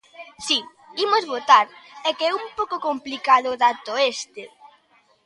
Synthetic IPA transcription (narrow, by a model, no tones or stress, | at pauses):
si | imʊzβot̪aɾɛkɪɛumpowkʊkomplikaðʊʊðat̪ʊest̪ɪ